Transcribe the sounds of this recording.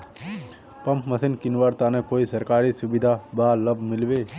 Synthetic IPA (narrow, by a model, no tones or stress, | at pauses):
pɐ̃mpməsɪnkɪnʋaɾt̪anekoːisɐɾkaːɾisʊbid̪ʱabaːləbʱmɪlʋeː